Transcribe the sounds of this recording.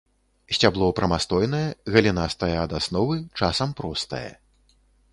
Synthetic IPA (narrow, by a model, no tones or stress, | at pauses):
sʲtʲablˠɔupɾɐmast̪ɔjn̪ɐjɐɣɐlʲinast̪ɐjɐaːd̪asnɔvɨt͡ʂasɐmpɾɔst̪ɐ̰jɐ̰